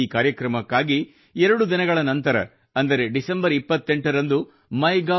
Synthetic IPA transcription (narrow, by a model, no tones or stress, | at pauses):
iːkaːɾjɐkɾɐmɐkːaːɡi | ɛɾɐɽud̪inɐɡɐɭɐnɐnt̪ɐɾɐ̰ | ɐnd̪ɐɾeɖisɐmbɐɾipːɐt̪ːe̞ɳʈɐɾɐnd̪u | mɐjɡa